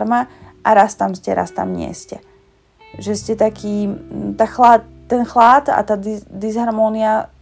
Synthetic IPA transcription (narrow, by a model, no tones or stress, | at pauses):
ɾmaʔaɾast̪amscɛɾa̰st̪a̰mɲɪɛ̰scɛ | ʒɛscɛt̪akʰiːt̪axlat̪ːɛnxlaːt̪a̰t̪aːd̪id̪izɦaɾmɔːnia